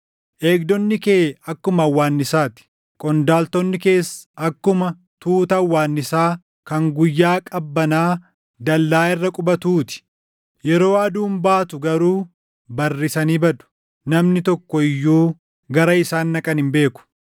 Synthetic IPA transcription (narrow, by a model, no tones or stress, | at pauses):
ʔe̞ːkd̪ɔnːɪkeːɐkːʊmɐɐwːaːnːɪsaːt̪ɪ̥ | kʼɔnd̪aːlt̪ɔnːɪke̞ːsɐkːʊmɐ | t̪uːt̪ɐːwːaːnːɪsaː | kɐŋɡʊjːaːkʼɐbːɐnaː | d̪ɐlːaːɪrːɐkʼʊbɐt̪uːt̪ɪ̥ | jɛɾo̞ːɐd̪uːmbaːt̪ʊɡɐɾuː | bɐrːɪsɐniːbɐᶑʊ̥ | nɐmnɪt̪ɔkːɔɪjːuː | ɡɐɾɐɪsaːnːɐkʼɐnhɪmbe̞ːkʊ̥